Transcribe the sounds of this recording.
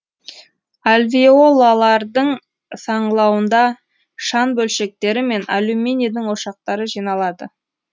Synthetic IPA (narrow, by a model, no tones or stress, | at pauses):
alʲviolˠːalˠɑɾd̪əɴ | sɑɴlˠɑwənd̪ɑ | ʃɑnbɵlʃe̞k̚t̪e̞ɾɪme̞nalumenʲid̪ɪŋwo̞ʃɑq̚t̪ɑɾəʒijnɑlˠɑd̪ə